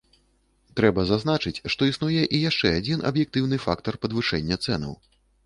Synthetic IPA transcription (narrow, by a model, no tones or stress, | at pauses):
t̪ɾɛbɐzazn̪at͡ʂɨt͡sʲʂt̪ɔisnujɛʔijaʂt͡ʂɛad͡zʲinɐ̰bjɛk̚t̪ɨwn̪ɨfa̰kt̪ɐrpɐd̪vɨʂɛnʲːɐt̪sɛnɐ̰w